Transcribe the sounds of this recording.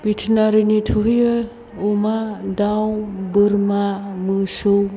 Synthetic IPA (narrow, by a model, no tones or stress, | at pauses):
b̥itʰnaɾinitʰuɦijə | umadawbɯɾmamɯsow